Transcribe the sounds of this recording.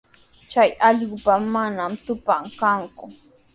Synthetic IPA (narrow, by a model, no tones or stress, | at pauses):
t͡ʃajɑʎɢʊpamːanamt̪ʊpaŋkaŋkʊ